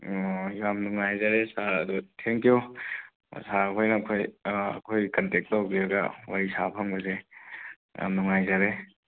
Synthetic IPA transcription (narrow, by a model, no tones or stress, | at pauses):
jamnuŋajzaɾesaɐ̰d̪utʰeŋkjṵ | saɐkʰojnɐːkʰojɐ̰kʰojkɐntek̚tːawbiɐɡa̰waɾisapʰɐmbɐze | a̰mnuŋajzaɾe